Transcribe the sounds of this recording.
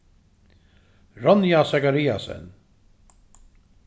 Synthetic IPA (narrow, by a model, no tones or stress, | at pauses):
ɾɔnjasɛkaɾiːa̰sɛ̰n